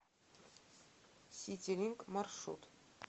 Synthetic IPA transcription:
sʲitʲelʲiŋkmarʂṵt̪

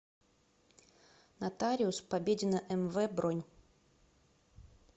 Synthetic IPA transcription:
nat̪aɾʲɪʊspabʲedʲɪnəʔɛmvɛbɾonʲ

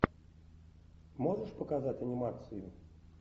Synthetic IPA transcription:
mɔʐəʂpɐkazatʲɐnʲimat̪sɨju

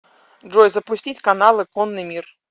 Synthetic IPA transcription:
ʐɔjzɐpʊsʲtʲitʲkanalˠɨkɔnːɨmʲir

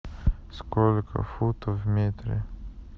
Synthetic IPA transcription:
skolʲkʰə̰fut̪əvmʲet̪ɾʲe

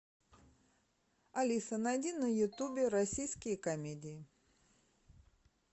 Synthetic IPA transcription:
ɐlʲisənɐjdʲinɐjʊt̪ubʲɪɾɐsʲijskʲɪjəkɐmʲedʲɪɪ

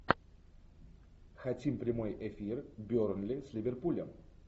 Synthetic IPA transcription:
xɐtʲimpɾʲɪmo̞jʔefʲirbʲornlʲɪsʲlʲɪvʲɪrpulʲəm

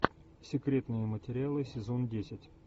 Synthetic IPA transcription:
sʲɪkɾʲe̞t̪nɨjəmətʲɪɾʲɪalˠɨsʲɪzo̞ndʲesʲɪtʲ

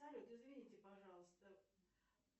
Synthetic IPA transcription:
sɐlʲut̪ɪzvʲɪnʲitʲɪpɐʐɑlˠəst̪ə

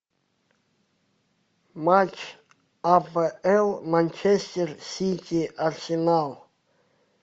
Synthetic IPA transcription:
mat͡ʃʰ | avɛlˠmant͡ʃʰɛst̪ɛrsit̪ʲʰiʔarsinalˠ

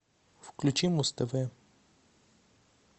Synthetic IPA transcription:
fklʲut͡ʃimust̪ɐvɛ

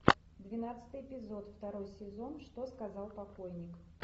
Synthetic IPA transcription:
d̪vʲɪnat̪sɨ̥t̪ɨjɪpʲɪzo̞t̪ft̪ɐɾo̞jsʲɪzo̞nʂt̪o̞skɐzalˠpɐko̞jnʲɪk

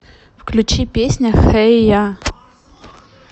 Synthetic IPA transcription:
fklʲʉt͡ɕipʲesʲnʲɐxɛja

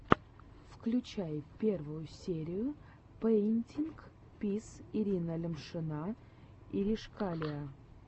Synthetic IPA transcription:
fklʲʉt͡ɕæjpʲervʊjʊsʲeɾʲɪjʊ | pənʲtʲink | pʲisɪɾʲinəlʲɪmʂɨna | iɾʲɪʂkalʲɪə

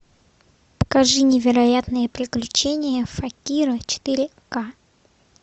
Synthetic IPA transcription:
pə̥kɐʐɨnʲɪvʲɪɾɐjat̪nɨjəpɾʲɪklʲʉt͡ɕenʲɪjəfɐkʲiɾɨt͡ɕɪ̥t̪ɨɾʲɪ | ka

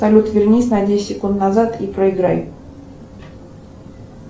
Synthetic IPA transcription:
ɐlʲut̪vʲɪrnʲisʲnɐd̪ʲesʲsʲːɪkunt̪nɐzat̪ipɾəɪɡɾaj

